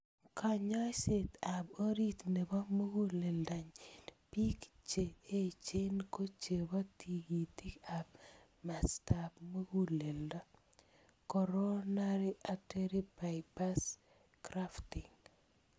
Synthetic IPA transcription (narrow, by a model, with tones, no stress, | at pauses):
ka˨ɲɔ˦se˨t̪a˨bo˦ɾi˦tne˨bɔ˦mo˦ɡu˦le˨lda˨ɲpi˦kt͡ʃe˨e˦t͡ʃe˦nko˦t͡ʃe˨ba˦ti˨ɡi˨ti˦ka˨b | ma˨sta˨bmo˦ɡu˦le˨lda˦ | kɔ˨ɾo˦na˦ɾi˦ate˦ɾi˦ba˨jba˦s | kɾaftiŋ